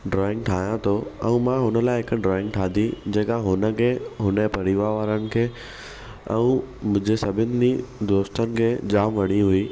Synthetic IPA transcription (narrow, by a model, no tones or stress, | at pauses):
ɖɾɔːɪ̃ŋɡʈʰaːɦijãt̪ʰoɛ̰̃ũmãɦʊnəlaːɪɦɪk̆ɖɾɔːɪ̃ŋɡʈʰaːd̪ʱid͡ʑeːkaɦʊnə̆kʰeːɦʊnepɐɽ̤iʋaʋaːɾənɪ̆kʰeː | ɛ̰̃ũmʊ̃ɪ̃d͡ʑesɐbʱɪnɪ̆did̪oːst̪ənɪ̆kʰeːd͡ʑaːmʋɐɽ̃iɦʊiː